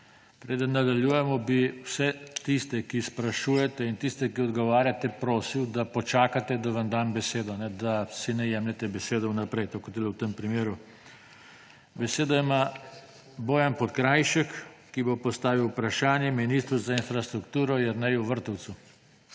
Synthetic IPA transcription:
pɾeːd̪ənːad̪aljuːjɛmɔbiwsɛt̪ist̪ɛkispɾaʃuːjɛt̪ɛint̪ist̪ɛkiɔd̪ɡɔʋaːɾjat̪ɛpɾoːsiwd̪apɔt͡ʃaːkat̪ɛd̪aʋamd̪ambɛseːd̪ɔnɛd̪asinɛjɛmlɛt̪ɛbɛseːd̪ɔwnapɾɛjt̪okot̪ilɛwt̪əmpɾimeːɾu | bɛseːd̪ɔima | boːjanpɔt̪kɾajʃəkːibopɔst̪aːʋiwpɾaʃaːnjɛminist̪ɾuzainfɾast̪ɾukt̪uːɾɔjɛɾnɛjuʋəɾt̪ɔw̪su

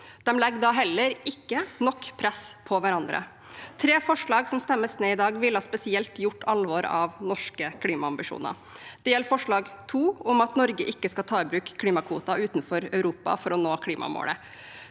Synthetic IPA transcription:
d̪̥ɛmlɛɡd̪ɑɦɛlːəɾɪkːənɔkːpʰɾɛspʰɔʋæɾɑnd̪ɾə̰ | t̪ʰɾeːfɔʂɭɑːɡsɔmst̪ɛmːəsneːɪd̪ɑːɡʋɪlːhɑspɛsɪɛlt̪jʊʈːɑlʋɔːɾɑ̰ʋnɔʂkəkʰliːmɑɑmbɪʂṵːnə̰ɾ | d̪̥ɛjɛlːfɔʂɭɑːɡt̪ʰuːʊmɑt̪nɔɾɡəʔɪkːəskɑlt̪ʰɑːɪbɾʉːkkʰːliːmɑkʰʋuːt̪ɑʔʉːt̪nfɔɾœʉɾuːpɑ̰fɔɾɔnoːkʰliːmʔɑ̰mo̰ːlə̰

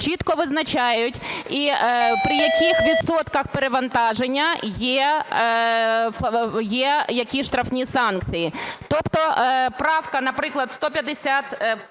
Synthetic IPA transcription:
t͡ʃit̪kɔʋɪznɐt͡ʃajʊtʲipɾɪjɐkʲixʋʲid̪sɔt̪kɐxpeɾeʋɐnt̪ɑʒenʲːɐjɛ | jɛjɐkʲiʃt̪ɾɐfnʲisɑnkt͡sʲijit̪ɔpt̪ɔpɾɑwkɐnɐpɾɪklˠɐd̪st̪ɔpʲjɐd̪esʲat̪

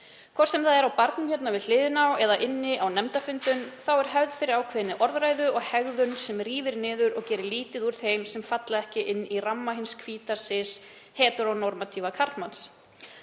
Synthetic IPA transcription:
kʰvɔɾ̥sɛmθaðɛɾawpaɾt̪nʏmçɛt̪navɪðlɪːðɪnawɛðaʔɪnːɪʔawnɛmt̪afʏnt̪ʏnθawɛɾ̥ɦɛvðfɪɾɪɾawkʰvɛːnːɪʔɔɾðɾajðʏɔɣhɛɣðʏnsɛmriːvɪɾnɪːðʏɾɔɣcɛːɾɪliːt̪ɪðuɾ̥θejmsɛmfat̪laðɛhcɪʔɪnːiramːaɦɪnskʰv̥iːt̪asɪs | hɛːt̪ʏɾawnɔɾmat̪ʰivakʰaɾt̪mans

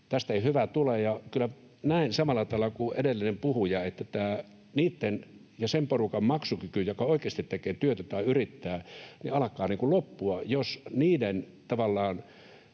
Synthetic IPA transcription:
t̪æst̪eihyʋæt̪ulejɑkylːæ | næinsɑmɑlːɑt̪ɑelːˑɑkuʔedelːinempuhujɑet̪ːæt̪æː | niːt̪ːen | jɑsemporukɑmmɑksukykyjjokɑoˑikeːst̪it̪t̪ekˑeːt̪yøt̪æjt̪ɑiyrit̪ːæːnḭɑlɑkˑɑːniːŋkulopːuɑjosniːden | t̪ɑʋɑlːɑːn

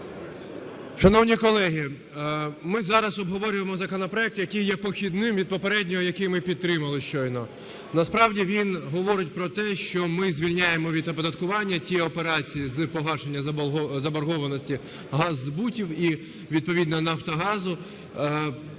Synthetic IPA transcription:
ʃɐnɔwnʲikɔlˠɛɦʲi | mɪzɑɾɐsɔbɦɔʋɔɾʲʊjemɔzɐkɔnɔpɾɔɛk̚t̪ʊjɐkɪjjɛpɔxʲid̪nɪmʋʲid̪̚pɔpeɾɛdʲnʲɔɦɔjɐkɪjmɪpʲid̪t̪t̪ːɾɪmɐlˠɪʃt͡ʃɔjnɔ | nɐspɾɑwdʲiʋʲinɦɔʋɔɾɪt̚ʲpɾɔt̪ɛʃt͡ʃɔmɪzʲʋʲilʲnʲajemɔʋʲid̪ɐpɔd̪ɐt̪̚kʊʋɑnʲːɐtʲiɔpeɾɑt͡sʲijizpɔɦɑʃenʲːɐzɐbɐrɦɔʋɐnɔsʲtʲi | ɦɑzːbutʲiwi | ʋʲid̪̚pɔʋʲid̪nɐnɐwt̪ɐɦɑzʊ

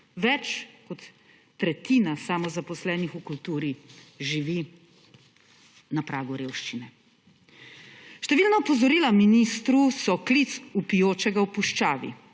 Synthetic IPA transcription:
ʋɛt͡ʃkɔt̪ː | ɾɛt̪iːnasamɔzapɔslɛːnixukult̪uːɾiʒiʋi | napɾʔaːɡuɾeːwʃt͡ʃinɛ | ʃt̪ɛʋiːlnɔɔpɔzɔɾiːlaminist̪ɾusɔklit̪supijoːt͡ʃɛɡawpuʃt͡ʃaːʋḭ

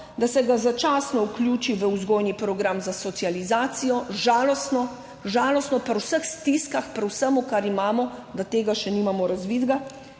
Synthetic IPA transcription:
d̪asɛɡazat͡ʃaːsnɔuklʲjuːt͡ʃiʋəuzɡoːjnipɾɔɡɾamzasɔt̪sializaːt̪sijɔʒaːlɔst̪nɔ | ʒaːlɔst̪nɔpɐɾwsəxst̪iskaxpɾwsəmukaɾimaːmɔd̪at̪eːɡaʃɛnimamɔɾazʋiːd̪ɡa

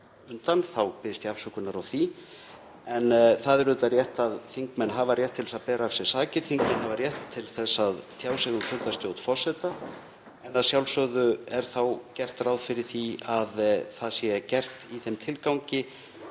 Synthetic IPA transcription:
ʏnt̪anθawpɪðɪst̪jafsʏkʏnaɾawθi | ɛnθaðɛɾʏt̪arjɛht̪aðθiŋkmɛnɦaːvarjɛht̪ʰːɪlɛ̥saðpɛːɾaːfsjɛ̥saːcɪɾ̥θiŋkmɛnhavaɾjɛht̪ʰːɪlθɛsːaðt̪ʰjaːwsɛɣʏfʰʏɾt̪ast̪joːwt̪fɔr̥sɛt̪a | ɛnːaðsjawlsœɣðʏɛɾ̥θawcɛr̥t̪rawðfɪɾɪɾ̥θiaðθaðsjɛcɛr̥t̪iθɛmt̪ʰɪlkawɲcɪ

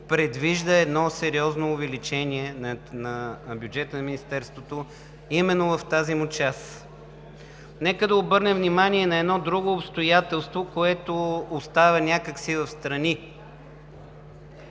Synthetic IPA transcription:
pɾɛd̪viʒd̪əɛd̪nɔsɛɾiɔznoːvɛlit͡ʃɛnʲiɛnɐnɐbʲjud͡ʒɛt̪ənɐminist̪ɛɾst̪vot̪o | imɛnːovɐft̪azimut͡ʃas | nɛkəd̪ɐobɤɾnɛvnimaniɛnɐɛd̪nɔd̪ɾuɡoːpst̪ojat̪ɛlˠst̪vokoɛt̪oːst̪avənʲakəksivɐfst̪ɾɐni

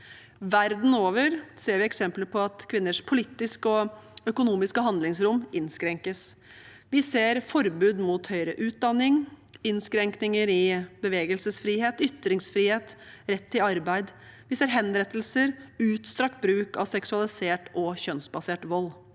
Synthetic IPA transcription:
ʋæɾd̪n̩oːʋəɾseːɾʋɪɛksɛmpləpʰɔɑt̪kʰʋɪnːəʂpʰʊlɪt̪ːɪskɔœkʊnuːmɪskəɦɑnd̪lɪŋsɾʊmʔɪnskɾɛŋkəs | ʋɪseːɾfɔɾbʉːd̪muːt̪hœʏɾəʔʉːt̪̚d̪ɑnːɪŋɪnskɾɛŋknɪŋəɾɪbəʋeːɡəlsəsfɾiːheːt̪ʏt̪ɾɪŋsfɾiːheːt̪ɾɛt̪ʰːɪlɑɾbæɪd̪ʋɪseːɾɦɛnɾɛt̪ːəlsəɾʉːt̪st̪ɾɑk̚t̪̚bɾʉːkɑʋsɛksʉɑlɪseːʈɔçœnsbɑseːʈʋɔlː

